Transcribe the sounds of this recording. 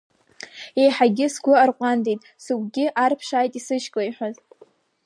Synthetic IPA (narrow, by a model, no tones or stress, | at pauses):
e̞jħaɡʲɪsɡʷʊarqʷʼandejtʼ | suɡʼɡʲɪʔarpʰʂaːjtʼisɨʃkʼajħʷᶣaz